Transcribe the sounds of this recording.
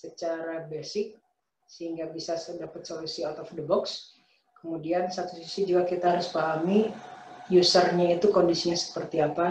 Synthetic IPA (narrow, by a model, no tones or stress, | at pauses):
sət͡ʃaɾabɛsɪk̚ | səhiŋɡabisasdapət̪̚solusiɔt̪ɔfdəbɔks | kəmudiansat̪usisid͡ʒuɡakit̪aɦaɾʊspaɦami | jusərɲait̪ukondisiɲasə̥pərt̪iapa